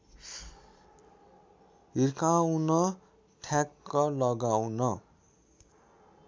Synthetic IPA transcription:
ɦirkawnʌ | ʈʰjakːʌlʌɡawnʌ

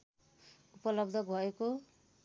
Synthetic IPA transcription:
upʌlʌb̚d̪ʱʌbʱʌeko

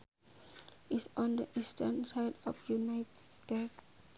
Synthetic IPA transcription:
isɔ̃ndəʔistənsaɪdɔ̰fjunaɪtstet

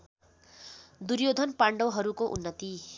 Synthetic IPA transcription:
d̪uɾjod̪ʱʌnpaɳɖʌwɦʌɾukoʔṵnːʌt̪i

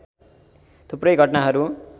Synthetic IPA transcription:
t̪ʰuprʌjɡʱʌʈnaɦʌɾu

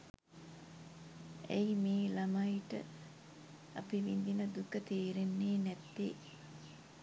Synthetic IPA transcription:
ejimeːlɐmaiʈə | ɐpiʋind̪inəd̪ukət̪iːɾenːeːnɛt̪ːeː

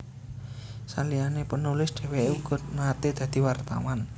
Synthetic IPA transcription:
salianepənulɪsd̥e̤weuɡ̥ɔ̤t̪̚mat̪ed̪̥ä̤d̪̥i̤wart̪a̰wan

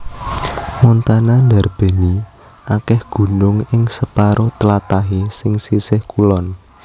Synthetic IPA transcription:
mɔnt̪ananda̤rb̥e̤ni | ʔakɛhɡ̥ṳnʊŋɪŋsəpaɾʔot̪əlat̪aɦesɪŋsisɪhkulɔn

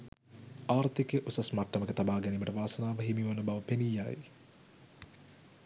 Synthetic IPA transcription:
aːrt̪ikeʔusɐsmaʈːɐməkət̪abaːɡɛniməʈəʋaːsənaːʋəɦimiʋanːəbaʋəpenijːa̰ːj

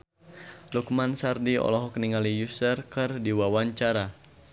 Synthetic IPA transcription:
lukmansardiɔ̰lɔɦɔk̚niŋalijusərkɨrdiwawaɲt͡ʃaɾa

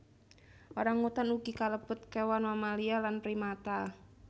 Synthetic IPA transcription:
ʔoɾaŋːut̪anuɡikaləpʊt̪̚kewanwamalialanpɾimat̪a

